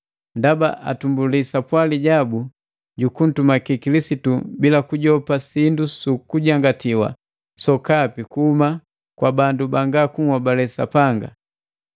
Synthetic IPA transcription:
ndaba̰ʔa̰tumbulisapwaliɟabu | ɟukun̩tumakikilisitubilakuɟɔpasindusukuɟaŋɡatiwa̰ | sɔkapikuhuma | kwabandubaŋɡakuŋwabalɛsa̰paŋɡa̰

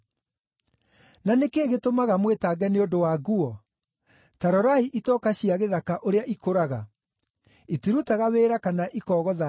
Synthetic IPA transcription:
nanekeːɣetomaɣamwetaːɡɛneondowaɡuɔ | taɾɔɾaiʔitɔːkaɕiaɣeðakaʔoɾeaʔikoɾaɣa | itiɾutaɣaweːɾakanaʔikɔːɣɔða

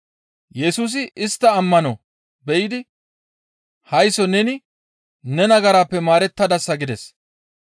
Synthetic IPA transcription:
jɛsuːs̬ɪʔɪst̪ːɐːmːɐnɔ | bɛjɪd̪ɪ | hɐjsɔnɛnɪ | nɛnɐɡɐɾaːpːɛmaːɾɛt̪ːɐd̪ɐsːɐɡɪd̪ɛs

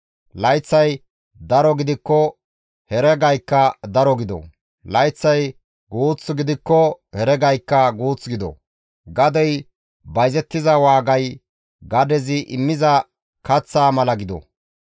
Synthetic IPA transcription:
lɐjt͡sːɐj | d̪ɐɾɔɡɪd̪ɪkːɔ | hɛɾɛɡɐjkːɐd̪ɐɾɔɡɪd̪ɔ̰ | lɐjt͡sːɐj | ɡuːt͡sːʊɡɪd̪ɪkːɔhɛɾɛɡɐjkːɐɡuːt͡sːɡɪd̪ɔ̰ | ɡɐd̪ɛj | bɐjzɛt̪ːɪzɐwaːɡɐj | ɡɐd̪ɛzɪʔɪmːɪzɐ | kɐt͡sːaːmɐlɐɡɪd̪ɔ̰

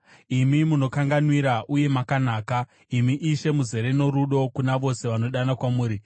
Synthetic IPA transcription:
imimuno̞kaŋɡanwiɾaʔuje̞makanaːka | imiʔiʃe̞muze̞ɾe̞no̞ɾuɗo̞kunaʋo̞se̞ʋano̞ɗanakwamuːɾi

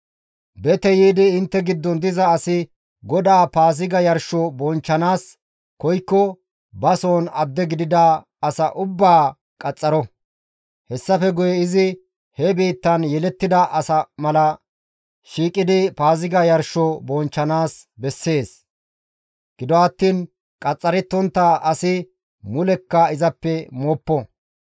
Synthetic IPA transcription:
bɛt̪ɛjiːd̪ɪːnt̪ːɛɡɪd̪ːɔnd̪ɪzɐːsɪ | ɡɔd̪aːpaːzɪɡɐjɐɾʃɔbɔnt͡ʃːɐnaːs | kɔjkːɔ | bɐsoːnɐd̪ːɛɡɪd̪ɪd̪ɐː | sɐʔʊbːaː | kʼɐt͡sʼːɐɾɔ | hɛsːɐfɛɡʊjɛɪzɪ | hɛbiːt̪ːɐnjɛlɛt̪ːɪd̪ɐʔɐsɐmɐlɐ | ʃiːkʼːɪd̪ɪpaːzɪɡɐjɐɾʃɔbɔnt͡ʃːɐnaːsbɛsːe̞ːs | ɡ̥ɪd̪ɔɐt̪ːiːn | kʼɐt͡sʼːɐɾɛt̪ːɔnt̪ːɐɐsɪ | mʊlɛkːɐɪzɐpːɛmɔːpːɔ

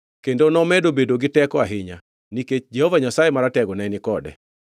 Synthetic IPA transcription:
kendonɔmɛdobedoɡɪtɛkɔaɦɪɲa̰ | niket͡ʃd͡ʒɛhovaɲasajemaɾatɛɡɔnaɛnɪkɔdɛ̰

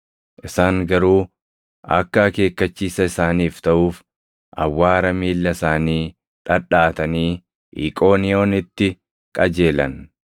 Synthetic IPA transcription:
ʔɪsaːŋɡɐɾuː | ʔɐ̰kːɐke̞ːkːɐt͡ʃːiːsɐɪsaːniːft̪ɐʔuːf | ʔɐ̰wːaːɾɐmiːlːɐsaːniː | ᶑɐᶑaːt̪ɐniː | ʔḭːkʼo̞ːnɪo̞ːnɪt̪ːɪ | kʼɐd͡ʒe̞ːlɐn

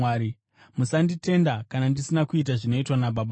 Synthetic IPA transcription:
aːɾi | musandite̞ndakanandisinakuit̬aʐino̞itwanabaɓ

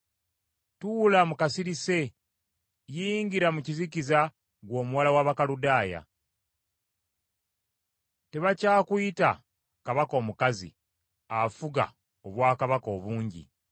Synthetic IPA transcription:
tulamukasiɾise̞ | jiɲɟiɾamuciziciza | ɡwo̞ːmuwalawaβakaludaːja̰ | te̞βacaːkuita | kaβako̞ːmukazḭ | afuɡa̰ | o̞βwaːkaβako̞ːβuːɲɟḭ

